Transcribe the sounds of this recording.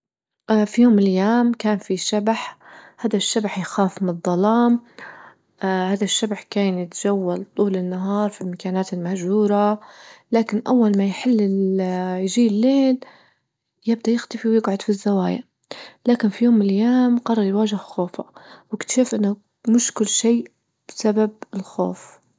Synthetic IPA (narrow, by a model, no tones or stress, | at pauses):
fijoːmɪljaːmkaːnfiʃabaħhaːðaʃːabaħjxaːfmɪnðˤːɑlɑːm | haːðaʃːabħkaːnjɪt̪d͡ʒawːalt̪ˤuːlɪnːaɦɑːɾˤfilmakaːnaːt̪ɪlmahʒhuːɾˤalaːkɪnʔawːalmajħɪlːɪjʒiːlːeːl | jɪb̚d̪ajɪxt̪afiwjɪɡʕʊd̪fizːawaːja̰ | laːkɪnfijoːmːɪljaːmqɑrˤːɑɾˤjwaːʒɪhxoːfa̰wɪkt̪ʃuːfʔɪnːa | mʊʃkʊlːʃiː | b̥ɪsabab̚ɪlxo̰ːf